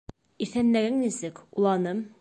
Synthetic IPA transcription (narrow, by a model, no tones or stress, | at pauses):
iθænlæɡɘŋnisɘkulˠɑnɤm